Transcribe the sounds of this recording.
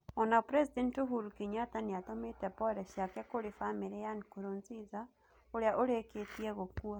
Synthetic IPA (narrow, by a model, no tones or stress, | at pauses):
onapɾesidentoɦuɾukiɲataniatometɛpɔɾɛʃjakɛkoɾefameɾejanikuɾonziza | oɾejaʔoɾeketieɣokua